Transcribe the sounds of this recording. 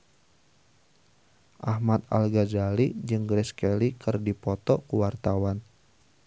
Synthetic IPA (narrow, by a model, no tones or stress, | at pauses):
ʔahmat̪̚a̰lɡazalid͡ʒɨŋɡɾɛskɛlikɨrdipɔt̪ɔkuwart̪awan